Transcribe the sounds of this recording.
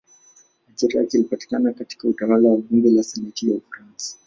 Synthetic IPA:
at͡ʃɛɾa̰kilipati̥kanakati̥kautawalawaɓuŋɡɛlasɛnɛtijaufaɾansḁ

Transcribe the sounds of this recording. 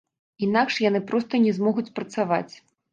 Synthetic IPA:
inakʂjanɨpɾɔst̪ɐnʲɛzmɔɣut͡sʲpɾɐt̪sava̰t͡sʲ

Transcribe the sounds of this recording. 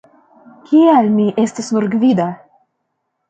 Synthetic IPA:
kʲʰialmiʔe̞stasnuɾɡvid̪a

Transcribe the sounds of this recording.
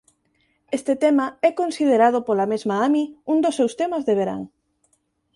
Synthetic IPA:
est̪et̪emaɛkonsið̞eɾað̞ʊpolamezmaamiuŋd̪osːewst̪emɐzðeβ̞eɾa̰ŋ

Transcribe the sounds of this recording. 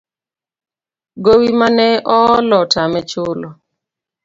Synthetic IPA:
ɡowimanɛʔɔlɔtamɛt͡ʃʊlɔ

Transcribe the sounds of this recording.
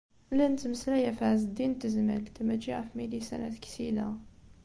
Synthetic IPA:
lænt̪məslæjæfaʕzd̪int̪ːəzmə̰lt̪æmæʒiʕæfmilisæ̰næt̪ksid̪æ

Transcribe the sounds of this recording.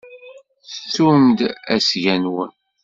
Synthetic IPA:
θsumd̪æsʝænwə̰n

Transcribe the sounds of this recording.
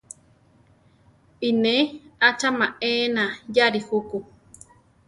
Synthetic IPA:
inẽat͡ʃamãʔeːnãjaɾihuku

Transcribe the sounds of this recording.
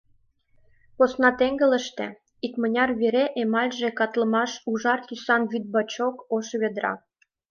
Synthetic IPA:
posnɑt̪eŋɡə̆lə̆ʃt̪ḛ̆ | ikmə̆nʲɑrβeɾeʔemɑlʲʒekɑt̪lə̆mɑʃuʒɑrt̪ysɑnβyd̪̚bɑt͡ɕokoʃβed̪ɾɑ̰

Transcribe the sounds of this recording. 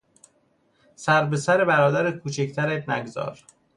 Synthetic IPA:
sæɾbe̞sæɾebæɾɒːd̪æɾekʰuːt͡ʃʰect̪ʰæɾed̪næ̰ɡzɒ̰ːɾ

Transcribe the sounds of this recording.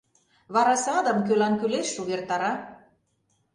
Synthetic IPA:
βɑɾɑsɑd̪əmkølɑnkyleʃuβert̪ɑɾɑ

